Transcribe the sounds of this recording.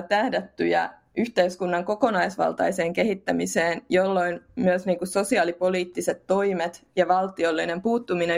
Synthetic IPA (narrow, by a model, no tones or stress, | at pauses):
t̪æhdæt̪ːy̰jæ̰ | yçt̪eyskunːɑŋkokonɑisʋɑ̰lt̪ɑ̰iseːŋkehit̪ːæmiseːnjolːoinmyøsniːŋkusso̞siɑːlipoliːt̪ːiset̪to̞imet̪jɑʋɑlt̪iolːinempuːt̪ːumine